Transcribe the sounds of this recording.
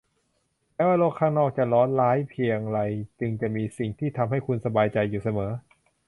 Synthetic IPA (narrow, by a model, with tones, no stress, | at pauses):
mɛː˦˥waː˥˩loː˥˩kʰːaː˥˩ŋnɔː˥˩k̚t͡ɕa˨˩lɔː˦˥nlaː˦˥jpʰi˧əŋɾa˧jt͡ɕɯ˧ŋt͡ɕa˨˩miː˧si˨˩ŋt̪ʰiː˥˩t̪ʰa˧mɦa˥˩jkʰu˧nsa˧baː˧jt͡ɕa˧jːuː˨˩sa˧mɤː˩˦